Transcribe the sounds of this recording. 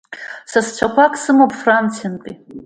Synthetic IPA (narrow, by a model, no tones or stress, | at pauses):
sast͡ʃʷʰakʷʰakʼsɨmopʰʼfrant͡sʰijantʼi